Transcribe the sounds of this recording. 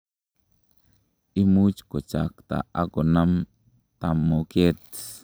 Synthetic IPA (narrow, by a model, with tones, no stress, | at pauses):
i˦mu˦t͡ʃko˨t͡ʃa˨kt̪a̰˨a˦ko˨na˦m | t̪a˨mo˨ke˦t̪